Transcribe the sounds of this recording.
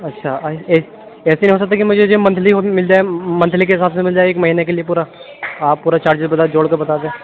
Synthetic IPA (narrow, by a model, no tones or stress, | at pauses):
ɐtːʃʰaɐ | ɛːseinĩosɐk̚t̪akimʊd͡ʒʱed͡ʒomɐ̃nt̪ʰliɦomɪld͡ʒaːemɐ̃nt̪ʰlikeɪsaːt̪ʰmẽmɪld͡ʒaːeːkmɐɦiːnekeliepuːɾa | aːppːuːɾat͡ʃaːɾd͡ʒɪsbɐt̪ad͡ʒoːɽkɐɾbɐt̪aːd̪ẽː